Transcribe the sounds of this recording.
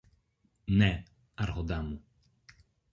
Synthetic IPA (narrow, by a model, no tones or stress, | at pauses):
nɛ | aɾɦɔd̪amu